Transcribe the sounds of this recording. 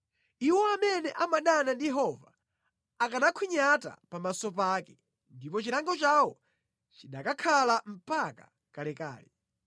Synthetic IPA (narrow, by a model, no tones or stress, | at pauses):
iwɔamɛnɛʔamaɗanandijɛɦɔva̰ | akanakʰwiɲata̰pamasɔpaːkɛ | ndipɔt͡ʃiɾaŋɡɔt͡ʃawɔ | t͡ʃiɗakakʰalam̩paka̰ | kalɛka̰ːlɛ